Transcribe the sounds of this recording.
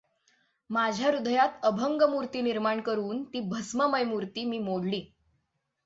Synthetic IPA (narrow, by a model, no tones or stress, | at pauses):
mad͡ʑʱjaɾud̪ʱjat̪əbʱəŋɡəmuɾt̪iːniɾmaɳkəɾuːnt̪iːbʱəsməməjmuɾt̪iːmiːmoɽliː